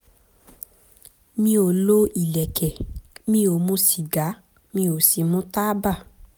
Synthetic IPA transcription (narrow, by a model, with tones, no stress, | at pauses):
mĩ˧o˨lo˦i˨lɛ˨kɛ˨mĩ˧o˨mũ˧˦si˨ɡa˨˦ | mĩ˧o˨si˨mũ˦ta˦ba˦˨